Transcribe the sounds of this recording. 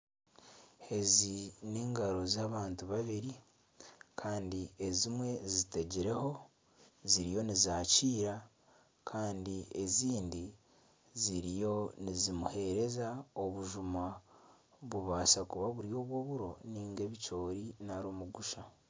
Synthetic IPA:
e̞ziniːŋɡaɾo̞zaːβaːntuβaβiɾi | kʰaːndie̞zimwe̞zite̞ɟiɾe̞ho̞ | ziɾijo̞nizaːciːɾa | kʰaːndie̞ziːndi | ziɾijo̞nizimuhe̞ɾe̞zao̞βuʒuma | βuβaːsakuβaβuɾijo̞ːβwo̞ːβuɾo̞niːŋɡe̞βit͡ʃo̞ːɾinaɾoːmuɡuʃa

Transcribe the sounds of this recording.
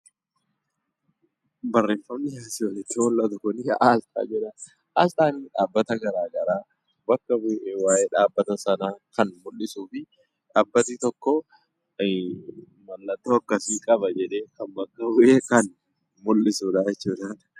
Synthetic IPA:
bɐrːe̞ːfɐmːɪjaːsɪwɐnɪt̪ːɔlʔɐt̪ʊkʊnɪʔalt̪a̰ːd͡ʒɛᶑɐ | ʔɐ̰lt̪aːniːᶑaːbːɐt̪ɐɡɐɾaːɡɐɾaː | bɐkːɐbʊjʔewaːʔɛᶑaːbːɐt̪ɐsɐnaːkɐnmʊlːɪsuːfɪ | ᶑaːbːɐt̪it̪ɔkːɔ | mɐlːɐt̪ːɐɐkːɐsiːkʼɐbɐd͡ʒɛᶑe̞ːkɐmbɐkːɐbʊʔeːkɐn | mʊlːɪsuːᶑaːjɛt͡ʃːuːᶑa

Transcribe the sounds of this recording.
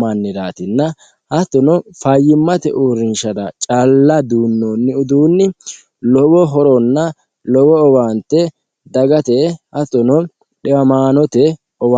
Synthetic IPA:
manːɪd̪aːt̪ɪnːɐ | hɐt̪ːɔnɔfɐjːɪmːɐt̪ɛ̰ʔoːɾɪnʃɐd̪ɐt͡ʃʼalːɐd̪uːnːoːnːɪʊd̪uːnːɪ | lɔwɔɦɔɾɔnːɐ | lɔwɔɔwaːnt̪ːɛ | d̪ɐɡɐt̪ɛhɐt̪ːɔnɔ | ɗɛwɐmaːnɔt̪ɛ | ɔwa

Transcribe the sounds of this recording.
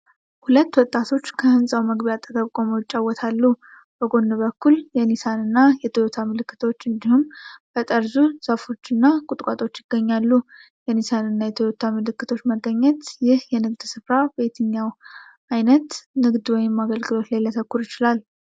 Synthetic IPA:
hulət̪ːwɔt̪ʼːat̪ʰo̞t͡ʃːkʰəhɨnsʼawməɡbijat̪ʼəkʼəβkʼomojɪt͡ʃʼːawɔt̪ʰalːu | b̥əɡo̞nːɨβəkʰːuljɛnisanɨnːajɛt̪ʰojot̪ʰamɨlɨkːɨ̥t̪ʰwot͡ʃːɨnd̪ihumb̥ət̪ʼəɾzusəfo̞t͡ʃːɨnːakʼut̪ʼkʷʼat̪ʼo̞t͡ʃːjɪɡ̥ːəɲːalːu | jɛnisanɨnːajɛt̪ʰojot̪ʰamɨlɨkːɨt̪ʰo̞t͡ʃːməɡ̪əɲːɛt̪jɪhjɛnɨɡd̪̥sɨfɾabe̞t̪ʰɨɲːawʔajnət̪nɨɡd̪wɔjɪmːaɡəlɡɨlo̞t̪lajlət̪ʰəkːuɾjɪt͡ʃɪlal

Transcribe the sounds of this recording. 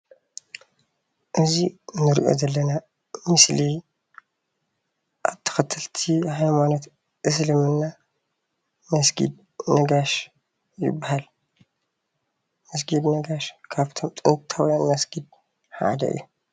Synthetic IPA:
ʔɨzinɨɾḭʔo̞̰zɐlːɐna | mɨsli | ʔaβt̪ʰɐ̥xɐt̪ʰɨlt̪ʰihajmanot̪ | ʔɨslɨmɐnːa | mɐsɡḭd̪ | nɐɡaʃ | jɪ̰bːahal | mɐs̬ɡid̪nɐɡaʃkʰaβt̪ʰomt̪ʼɨk̚t̪ʰawjanːɐsɡid̪̚ | ħa̰ʕd̪ɐ̰ʔɨ̰jːu

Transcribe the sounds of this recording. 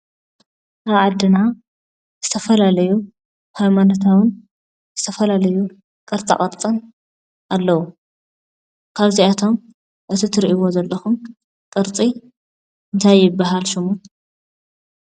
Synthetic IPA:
ʔaβʕad̪ːɨna | zɨt̪ʰɐfɐlalɐju | hajmanot̪ʰawɨn | z̥ɨt̪ʰɐfɐlalɐju | kʼɐɾt͡sʼa̰χʼɐɾt͡sʼɐn | ʔalːɐwu | kʰaβziat̪ʰo̞m | ʔɨt̪ʰit̪ʰɨɾʔiwo̞zɐlːɐxum | kʼɨɾt͡sʼi | ʔɨnt̪ʰajːɪbːaɦalʃɪmun

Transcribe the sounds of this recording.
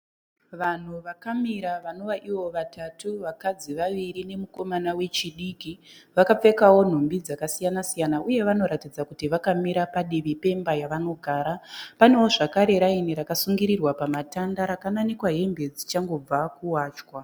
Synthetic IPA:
ʋan̤uʋakamiɾaʋano̞ʋaʔiwo̞ʋatatuʋakad͡ziʋaʋiɾine̞muko̞manawe̞t͡ʃiɗikiʋakap͡fe̞kawo̞n̤ombid͡zakasijanasijanaʔuje̞ʋano̞ɾatid͡zakutiʋakamiɾapaɗiʋipe̞mbajaʋano̞ɡʱaːɾapane̞wo̞ʐakaɾe̞ɾainiɾakasuŋɡiɾirwapamatandaɾakananikwaɦe̞mbe̞d͡zit͡ʃaŋɡo̞b͡vakuwaːt͡ʃwa

